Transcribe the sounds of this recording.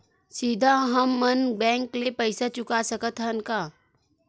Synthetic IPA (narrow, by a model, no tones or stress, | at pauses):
sid̪ʱaɦəmːɐnbɛ̃ːŋklepɐɪsat͡ʃʊkasɐkət̪ɦɛʊnkaː